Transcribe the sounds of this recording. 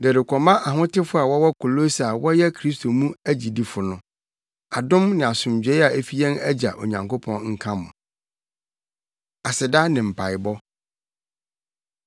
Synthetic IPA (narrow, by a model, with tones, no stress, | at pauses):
dɛ˨ɾɪ˨kʷʰɔ˨mã˦ʔa˨ɦʊ̃˦tɪ˦fʊ˦a˨wɔ˦wɔ˦kʰʊ˨lo˦sa˨wɔ˦jɛ˦kʰɾi˦stʰo˨mũ˦æ˦d͡ʑi˨di˦fʊ˨nʊ̃˨ | a˨dʊ̃˦mnɪ̃˨a˨sʊ̃˨md͡ʑᶣɛ˦a˨æ˦fi˦jɛ̃˦næ˦d͡ʑa˨ʔo̰˨ɲã˨ŋko˦pʰɔ̃˦nŋ̩˦kʰã˦mʊ̰̃˨ | a˨sɪ˨da˦nɪ̃˨m̩˨pʰa˨ɪ˨bɔ˦